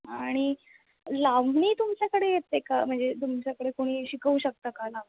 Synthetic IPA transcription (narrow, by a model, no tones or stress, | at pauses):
aɽ̃i | laʋɳiːt̪umt͡ɕjakəɽejet̪ːekam̤əɳd͡zet̪umt͡ɕjakəɽekoɽ̃iːɕikəuːɕək̚t̪akalaʋ